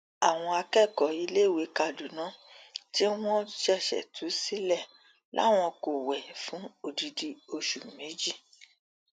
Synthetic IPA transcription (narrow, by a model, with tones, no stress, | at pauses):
a˨w̃ɔ̃˧a˧kɛ˦˨kɔ˨i˧le˦˨we˨˦ka˧˨du˨nã˨˦ti˦w̃ɔ̃˦ʃɛ˦˨ʃɛ̰˨tʰu˨˦si˦lɛ˦˨ | lʔa̰˦w̃ɔ̃˧ko˨wɛ˨fũ˨˦o˦˨di˧di˧o˧ʃu˨mẽ˨˦d͡ʒi˦˨